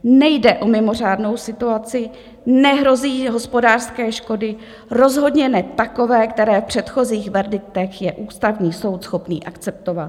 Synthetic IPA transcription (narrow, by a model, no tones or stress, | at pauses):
nɛjdɛʔo̞mɪmo̞r̝aːdno̞wsɪt̪uat͡sɪ | nɛɦɾo̞ziːɦo̞spo̞daːr̥skɛːʃko̞dɪ | ɾo̞zɦo̞dɲɛnɛt̪ako̞vɛːkt̪ɛɾɛːfpr̝̥ɛt̪xo̞ziːxvɛɾdɪk̚t̪ɛxjɛʔuːst̪avɲiːso̞wt̪sxo̞pnḭːʔakt͡sɛp̚t̪ovat̪